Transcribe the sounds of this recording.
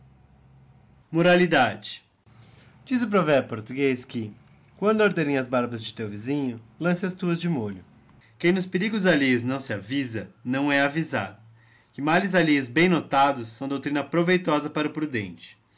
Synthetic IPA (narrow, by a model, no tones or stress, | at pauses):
moɾalid̪ad͡ʒɪ̥ | d͡ʒizʊp̬ɾovɛpoɾt̪uɡeskɪ | kwɐ̃nd̪ʊoɾd̪eɾẽj̃ɐzbaɾbɐzd͡ʒɪt̪ewvizĩɲʊlɐ̃sɪɐst̪uɐzd͡ʒɪmoʎʊ | kẽj̃nʊspeɾiɡʊzalejʊznɐ̃w̃sɪavizɐnɐ̃w̃ɛaviza̰d̪ʊ | kɪmalɪzalejʊzbẽj̃not̪ad̪ʊsːɐ̃w̃d̪owt̪ɾĩnɐpɾovejt̪ɔzɐpaɾʊpɾud̪ḛ̃nt͡ʃɪ̥